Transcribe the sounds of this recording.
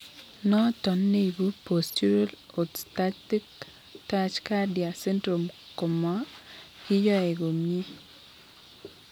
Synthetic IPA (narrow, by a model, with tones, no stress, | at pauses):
nɔ˦tɔ˨nːe˦ibu˦postu˦ɾa˦l | otstati˦k | tat͡ʃka˦di˨a˨sɛ˦ntɾo˨m | ko˨ma˦ | ki˦jɔ˦e˨ko˨mje˦